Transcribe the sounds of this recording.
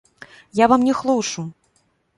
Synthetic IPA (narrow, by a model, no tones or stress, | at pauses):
javamnʲɛxlˠuwʂu